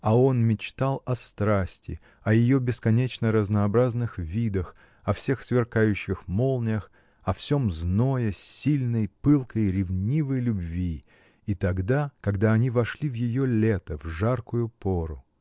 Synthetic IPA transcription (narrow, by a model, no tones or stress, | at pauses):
ɐo̞nmʲɪt͡ɕt̪alˠɐst̪ɾasʲtʲɪ̰ | ɐjɪjobʲɪskɐnʲet͡ɕnəɾəznəɐbɾaznɨxvʲid̪əx | ɐfsʲe̞xsvʲɪrkajʉɕːɪxmo̞lˠnʲəx | ɐfsʲo̞mzno̞jəsʲilʲnəjpɨlˠkəjɾʲɪvnʲivəjlʲʊbvʲiː | t̪ɐɡd̪akɐɡd̪aɐnʲivɐʂlʲivjɪjolʲet̪əvʐarkʊjʊpoɾʊ